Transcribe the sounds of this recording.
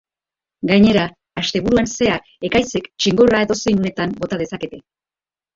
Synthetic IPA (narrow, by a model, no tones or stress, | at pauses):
ɡajɲe̞ɾaː | st̪e̞βuɾuanse̞a | e̞kajse̞kt͡ʃiŋɡo̞rae̞ðo̞sejnone̞t̪ambo̞t̪að̞e̞sake̞t̪e̞